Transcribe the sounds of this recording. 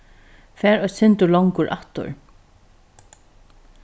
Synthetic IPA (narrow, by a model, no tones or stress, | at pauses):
fɛːɾɔjsɪnt̪ʊɾlɔŋkʊɾʔa̰ht̪ʊ̰ɹ